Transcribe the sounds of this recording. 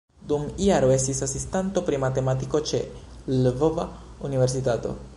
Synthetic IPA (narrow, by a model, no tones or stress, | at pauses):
d̪umiaɾoest̪isasist̪ant̪o̞pɾimat̪e̞mat̪iko̞t͡ʃe | llvovaunive̞ɾs̬it̪at̪o̰